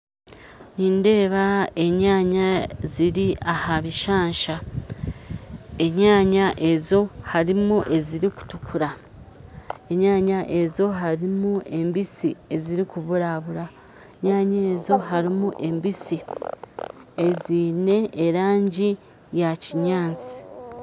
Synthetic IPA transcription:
niːnde̞ːβae̞ɲaːɲaziɾiahaβiʃaːɲʃa | e̞ɲaːɲaʔe̞zo̞haɾimuʔe̞ziɾiku̥tukʰuɾa | e̞ɲaːɲaʔe̞zo̞ɦaɾimue̞mbisie̞ziɾikuβuɾaβuɾa | eɲaːɲeːzo̞ɦaɾimuʔe̞mbisi | e̞ziːne̞ːɾaːɲɟi | jaciɲaːnt͡si̥

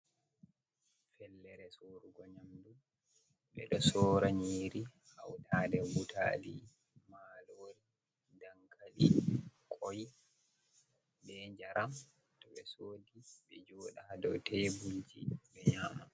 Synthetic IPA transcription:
fɛlːɛɾɛsoːɾuɡɔɲamdu | ɓɛ̰ɗɔsɔːɾaɲiːɾi | hawtʰadɛbutʰa̰ːli | maːloɾi | daŋkalikʰʼɔj | bɛɲd͡ʒaɾʔam | tɔɓɛsoːdiɓɛd͡ʒɔːɗahadɔ̰wtɛjbuld͡ʒḭɓɛɲama

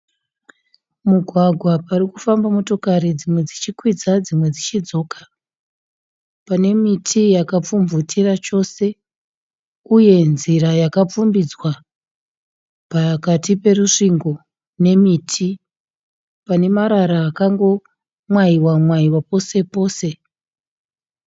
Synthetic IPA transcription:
muɡʱwaɡʱwaparikufambamo̞to̞kaɾid͡zimwe̞d͡zit͡ʃikwid͡zad͡zimwe̞d͡zit͡ʃid͡zo̞ːkḁ | pane̞mitʰijakap͡fumvutirat͡ʃo̞se̞ | uje̞nziɾajakap͡fumbid͡zwa | pakatipe̞ruʂiŋɡo | ne̞miːtʰi | pane̞maɾaɾaːkaŋɡo̞ | mwaiwamwaiwapo̞se̞po̞ːse̞

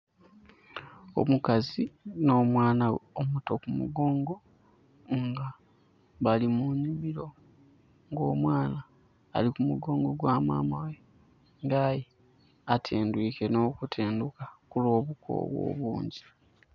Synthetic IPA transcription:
o̞̰mukazino̞ːmwaːnaomuto̞kumṵɡo̞ːŋɡo̞ | ŋɡa | βalimuɲiβiɾo̞ | ŋɡo̞ːmwaːna̰ː | likumuɡo̞ːŋɡo̞ɡwaːma̰ːmawe̞ | ŋɡaːji | atʰeːndwiːke̞no̞ːkutʰeːndukakulo̞ːβukʰo̰βwo̞̰ːβuːɲɟi

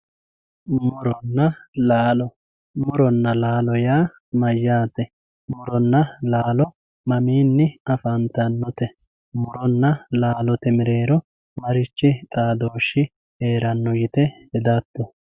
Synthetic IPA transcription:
mʊɾɔnːɐlaːlɔ | mʊɾɔnːɐlaːlɔjaː | mɐjːaːt̪ɛ | mʊɾɔnːɐlaːlɔ | mɐmiːnːɪɐfɐnt̪ɐnːɔt̪ɛ | mʊɾɔnːɐlaːlɔt̪ɛmɪɾeːɾɔ | mɐɾɪt͡ʃːɪt̪ʼaːd̪oːʃːɪ | eːɾɐnːɔjɪt̪ɛhɛd̪ɐt̪ːɔ

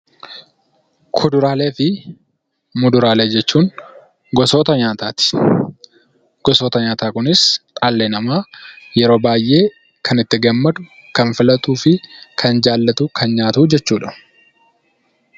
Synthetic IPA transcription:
kʰʊd̪ʊɾaːle̞ːfɪ | mʊd̪ʊɾaːleːd͡ʒɛt͡ʃːuːŋ | ɡɔsoːt̪ɐɲaːt̪aːt̪ɪ̥ | ɡ̥ɔso̞ːt̪ɐɲaːt̪aːkʊnɪsᶑʼaːlːeːnɐmaːjɛɾo̞ːbaːjʔe̞ː | kʰɐnɪt̪ːɪɡɐmːɐd̪ʊ | kɐnfɪlɐt̪ʼuːfɪkʰɐnd͡ʒaːlːɐt̪uːkʰɐnɲaːt̪uːd͡ʒɛt͡ʃːuːᶑɐ̥

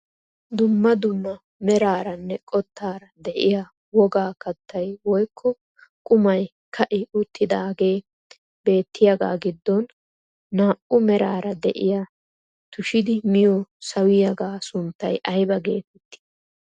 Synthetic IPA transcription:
d̪ʊmːɐd̪ʊmːɐ | mɛɾaːɾɐnːɛkʼɔt̪ːaːɾɐd̪ɛʔɪja | wɔɡaːkɐt̪ːɐjwɔjkʰːɔ | kʼʊmɐj | kʰɐʔɪʊt̪ʰːɪd̪aːɡe̞ː | be̞ːt̪ːɪjɐɡa̰ːɡɪd̪ːɔnː | aːʔʊmɛɾaːɾɐd̪ɛʔɪ̰ja | t̪ʊʃɪd̪ɪmɪjɔsɐwɪjɐɡaːsʊnt̪ːɐjʔɐjbɐɡe̞̰ːt̪ɛt̪ːɪ̥

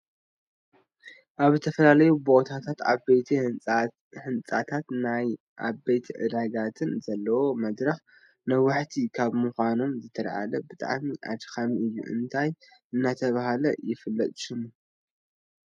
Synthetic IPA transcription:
ʔaβzɨt̪ʰɐfɐlalɐjubo̞t̪ʰat̪ʰat̪aet̪ʰi | ħɨnt͡sʼat̪ʰat̪naj | ʔaβet̪ʰʕɨ̰d̪aɡat̪ʰɨnzɐlːɐwo̞mɐd̪ɾɐx | nɐwaħt̪ʰikʰaβmuxʷano̞mzɨt̪ʰɐɾʕa̰lɐbɨt̪ʼa̰ʕmiʔa̰d̪xamiʔɨjːṵʔɨ̰nt̪ʰajʔɨnːat̪ʰɐβahalɐjɪfɨlːɐt̪ʼɨ̥ʃɨmu

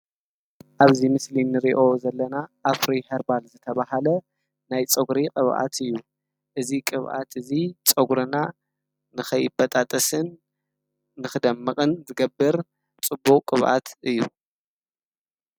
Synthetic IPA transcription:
ʔaβzimɨslinɨɾiʔo̞zɐlːɐnaʔafɾihɐɾbalzɨt̪ʰɐβahalɐ | najt͡sʼɐɡɾiqʼɨβʔa̰t̪ʰɨjːu | ʔɨzikʼɨβʔa̰t̪ʰɨzit͡sʼɐɡɾɨna | nɨxɐjːɪbɐt̪ʼat̪ʼɐsɨnː | ɨxɨd̪ɐmːɐqʼɨnzɨɡɐbːɨɾ | t͡sʼɨbːukʼkʼɨβʔa̰t̪ʔɨjːu

